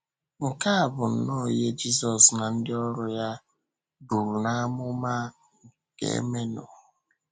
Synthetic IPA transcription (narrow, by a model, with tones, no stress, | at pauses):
ŋ̩˨ka˦a˨bʊ˨n̩˨no˦˨je˦d͡ʒi˦sɔ˨sna˨n̩˦dɪ˦ɔ˦ɾʊ˦ja˦ | bu˨ɾu˨na˦a˦mʊ˦ma˦ | ŋ̩˨ | kḛ˦˨ḛ˦me˦nɔ̰˨